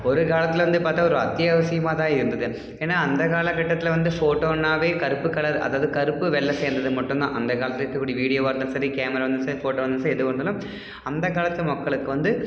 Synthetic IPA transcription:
ɔɾɯkaːɭɐt̪ːɪlʋɐnd̪ɯpaːɾt̪aːɔɾɯɐt̪jaːʋɐsɪjɐmaːðãːɪɾɯnd̪ɐðɯ | eːnːaːɐnd̪ɐkaːlɐkɐʈːɐt̪ːɪlʋɐnd̪ɯfoːʈːoːɐnːaːʋeːkɐɾɯpːɯkɐɭɐɾʔɐ̰ðaːʋɐðɯkɐɾɯpːɯʋɛlːɐseːɾnd̪ɐðɯmɐʈːomd̪ã̰ːʔɐnd̪ɐkaːɭɐt̪ːɪlkːɐkːuːɽijɐʋiːɽijoːʋɐːɾnɐsɐɾikjaːmɐɾaːʋɐnd̪ɯnsɐɾifoːʈːoːʋɐnd̪ɯnsaːɾɛðɯkoɳɖɐːlɯm | ɐnd̪ɐkaːlɐt̪ːɯlmɐkːɐɭɯkːɯʋɐnd̪ɯ

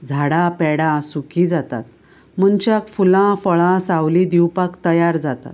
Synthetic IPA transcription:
d͡zʱaɽapɛɽãsukid͡zat̪a̰t̪̚ | m̤ənt͡ɕjakfulãfəɭãsawlid̪iwpakt̪əjaɾd͡zat̪a̰t̪

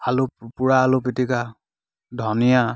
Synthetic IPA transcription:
alʊpuɹaːlʊpitika | dʱɔnija

